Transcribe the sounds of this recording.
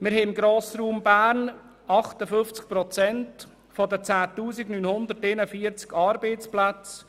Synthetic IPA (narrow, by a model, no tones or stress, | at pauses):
mɪɾhɛɪmɡɾoːsɾuːmbæːɾn | ɑχtəfʏft͡skpɾɔt͡sɛnt | fɔdət͡saːtuːsɪɡnynhʊnd̪ərtenəfiət͡skɑɾbeɪt͡splat͡s